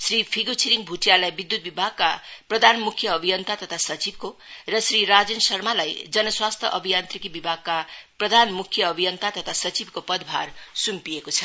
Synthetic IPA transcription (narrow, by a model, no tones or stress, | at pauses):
sripʰiɡut͡sʰiɾiŋbʱuʈjalajbid̪ːut̪̚bibʱaɡ̚kaprʌd̪ʱanmukʰjʌːbʱijʌnt̪at̪ʌt̪ʰasʌt͡sib̚korʌsriɾad͡zensʌrmalajd͡zʌnʌswast̪ʰʌʔʌbʱijant̪rikibibʱaɡ̚kaprʌd̪ʱanmukʰjʌːbʱijʌnt̪at̪ʌt̪ʰasʌt͡sibkopʌd̪bʱa̰rsumpijekot͡sʰʌ